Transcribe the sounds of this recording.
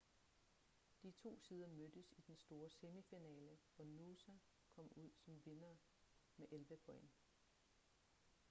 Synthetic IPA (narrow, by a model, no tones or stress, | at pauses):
d̥it͡sʰo̝̰ːsiːð̞ˠɐmød̥əsid̥ensd̥o̝ːɐse̝mifinɛːləʋɒnusæ | kʰɒ̽m̰uð̞̰ˠsɒ̽mʋe̝nɐː | meʔelʋəpʰɒḛn